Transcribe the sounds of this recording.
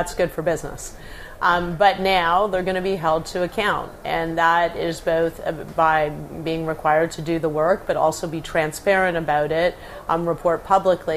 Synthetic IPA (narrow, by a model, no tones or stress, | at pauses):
tsɡ̥ʊd̥fə˞bɪznə̰s | bʌtⁿnaʊðə˞ɡʌñɨbiɦɛlˠd̚tʰɨːkʰãʊ̃ntʔɨ̃nðəɾɪzboʊθbaɪbiɪ̃ŋɹɨkʰw̥aɪə˞d̚tʰɨdɨðəwɜ˞k̚b̥ʌɾɔ̰lˠsoʊbitʰɹ̥æ̃nspɛɹɨ̃ɾ̃ɨbaʊɾɪt̚ | ɹəpʰɔɹt̚pʰʌbləkʰli